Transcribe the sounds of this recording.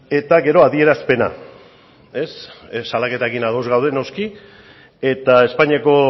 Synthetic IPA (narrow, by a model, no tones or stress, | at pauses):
e̞t̪aɣe̞ɾo̞aðie̞ɾaspe̞na̰ | e̞ssalake̞t̪aekinaɣo̞zɣawð̞e̞no̞ski | e̞t̪ae̞spaɲiako̞